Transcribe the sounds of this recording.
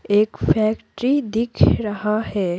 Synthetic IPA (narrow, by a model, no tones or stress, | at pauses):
eːkfʰɛːkʈɾid̪ɪkʰɾɐɦahɛː